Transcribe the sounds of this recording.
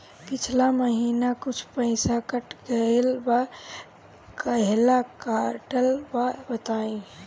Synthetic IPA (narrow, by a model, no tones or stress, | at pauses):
pɪt͡ʃʰlaməɦiːnakʊt͡ʃʰpəɪsakəʈɡəelba | kəɦlakaɾʈəlbabət̪aːĩ